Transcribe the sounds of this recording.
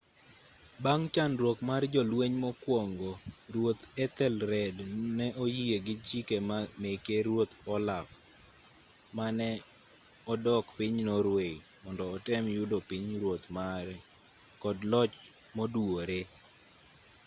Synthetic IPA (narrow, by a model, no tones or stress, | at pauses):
baŋt͡ʃanɾwokmard͡ʒɔlweɲmɔkwoŋɡoɾwot̪ɛt̪ɛlɾɛdnɛʔojieɡɪt͡ʃikemamekeɾwot̪ɔlaf | manɛ | ɔdɔkpɪɲnoɾwei | mɔndɔːtɛmjʊdopiɲɾwot̪maɾ | kɔdlɔt͡ʃ | moduoɾe